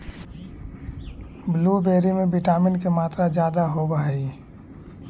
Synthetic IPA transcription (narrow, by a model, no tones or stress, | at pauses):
blubeːɾimẽbiʈaːmɪnkemaːt̪ɾad͡ʒjaːd̪aɦobəɦɛi